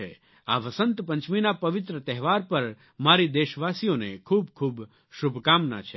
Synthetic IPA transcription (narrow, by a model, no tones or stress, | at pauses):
e | aʋəsə̃nt̪pə̃ɲt͡ʃminapəʋɪt̪ɾət̪ɛɦʋaɾpəɾ | maɾid̪eʃʋasijonekʰuːbkʰuːb | ʃʊbʱkamna̰t͡ʃʰe